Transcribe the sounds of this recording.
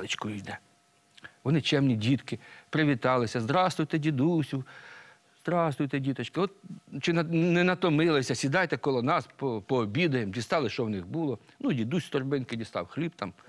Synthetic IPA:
ɪt͡ʃkʊijd̪ɛ | ʋɔnɪt͡ʃɛmnʲidʲit̪kɪpɾɪʋʲit̪ɑlˠɪsʲɐzd̪ɾɑst̪ʋʊjt̪ɛdʲid̪usʲuw | z̥d̪ɾɑsʊjt̪ɛdʲit̪ɐt͡ʃkɪɔt̪̚t͡ʃɪnɐnɛnɐt̪ɔmɪlˠɪsʲɐsʲid̪ɑjt̪ɛkɔlˠɔnɑspɔpɔːbʲid̪ɐjemdʲist̪ɑlˠɪʃt͡ʃɔwnɪɣbulˠɔ | nudʲid̪usʲst̪ɔrbɪnkɪdʲist̪ɑ̰wxlʲibt̪ɑm

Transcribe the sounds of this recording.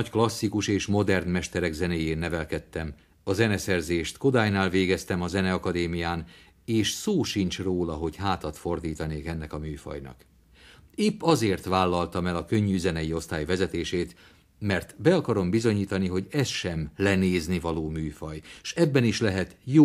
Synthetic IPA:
ɒcklɒsːikuʃeːʃmo̞d̪ɛrnmɛʃt̪ɛɾɛɡzɛneːjeːnːɛvɛlkɛt̪ːɛm | ɒzɛnɛsɛrzeːʃt̪kod̪aːjnaːlveːɡɛst̪ɛmɒzɛnɛɒkɒd̪eːmijaːn | eːʃsoːʃint͡ʃroːlɒɦo̞chaːt̪ɒt̪fo̞rd̪iːt̪ɒneːkɛnːɛkɒmyːfɒ̰jnɒ̰k | eːpːɒzeːrt̪ʋaːlːɒlt̪ɒmɛlɒkø̞ɲːyyzɛnɛjio̞st̪aːjvɛzɛt̪eːʃeːt̪ | mɛrt̪bɛɒkɒɾo̞mbizo̞ɲiːt̪ɒniɦo̞ɟɛsʃɛmlɛneːznivɒloːmyːfɒjʃɛbːɛniʃlɛɦɛt̪joː

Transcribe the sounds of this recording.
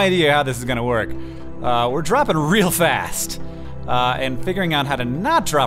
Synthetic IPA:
aɪdiɨhaʊðɪsɨzɡʌñəwɜ˞k | wɪɹdɹɑpɪ̃ŋɹilˠfæst | ɨ̃nfɪɡjə˞ɪ̃ŋaʊt̚ɦaʊɾɨnət̚d̥ɹɑ

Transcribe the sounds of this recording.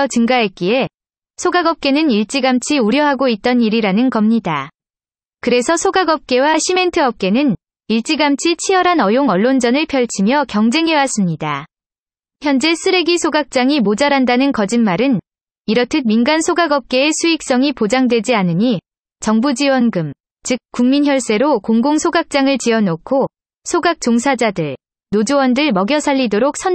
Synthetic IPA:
ʌt͡ɕɯŋɡaɦek͈ie̞ | sʰoɡaɡʌp̚k͈e̞nɯniɭt͡ɕ͈iɡamt͡ɕʰiuɾjʌɦaɡoit̚t͈ʌniɾiɾanɯnkʌmɲida | kɯɾe̞sʰʌsʰoɡaɡʌp̚k͈e̞waɕʰime̞ntʰɯʌp̚k͈e̞nɯn | iɭt͡ɕ͈iɡamt͡ɕʰit͡ɕʰijʌɾɦanʌjoŋʌɭːond͡ʑʌnɯɭpʰjʌɭt͡ɕʰimjʌkjʌŋd͡ʑe̞ŋɦe̞was͈ɯmɲida | çjʌnd͡ʑe̞sʰɯɾe̞ɡisʰoɡak̚t͡ɕ͈aŋimod͡ʑaɾandanɯnkʌd͡ʑinmaɾɯn | iɾʌtʰɯnminɡansʰoɡaɡʌp̚k͈e̞ːsʰuik̚s͈ʌŋipod͡ʑaŋdwe̞d͡ʑianɯɲi | t͡ɕʌŋbud͡ʑiwʌnɡɯm | t͡ɕɯk̚k͈ːuŋminçjʌɭs͈e̞ɾokoŋɡoŋsʰoɡak̚t͡ɕ͈aŋɯɭt͡ɕiʌnokʰo | sʰoɡak̚t͡ɕ͈oŋsʰad͡ʑadɯɭ | nod͡ʑowʌndɯɭmʌɡjʌsʰaʎːidoɾok̚sʰʌn

